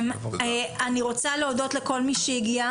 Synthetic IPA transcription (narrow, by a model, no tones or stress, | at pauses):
meaniʁo̞t͡saleodo̞tleko̞lmiʃejiɡia